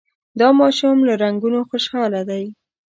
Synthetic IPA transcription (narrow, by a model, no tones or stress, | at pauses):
d̪ɑmɑʃumlaɾaŋɡunoxoʃxɑlad̪aj